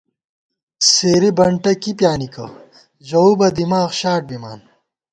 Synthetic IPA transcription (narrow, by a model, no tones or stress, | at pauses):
seːɾibɐɳʈɐkipjaːnikɐ̰ | ʑɐubɐd̪imaːxɕaːʈ̚bima̰ːn